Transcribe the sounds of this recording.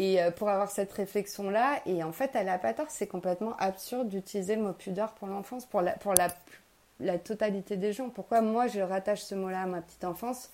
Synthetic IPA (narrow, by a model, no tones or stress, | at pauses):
eøpuʁavwaʁsɛt̪χeflɛksjɔ̃laeɑ̃fɛt̪alapat̪aʁsɛkɔ̃plɛt̪mɑ̃ʔapsyʁd̪ːyt̪ilizeəmopʰyd̪œʁpuʁlɑ̃fɑ̃spuʁlapuʁlapy | lat̪ɔt̪alit̪ed̪eʒɑ̃puʁkwamwaʒəʁat̪aʃsəmolaːmapə̥t̪i̥t̪ɑ̃fɑ̃s